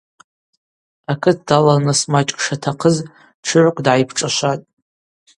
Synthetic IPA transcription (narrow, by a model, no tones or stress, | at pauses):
akʰɨt̚ʰd̥alanɨsmat͡ʃʼkʼʂatʰaqʰəz | ʈ͡ʂʰɨʕʷkʷʼdʕajpʰʈ͡ʂʼaʃʷatʼ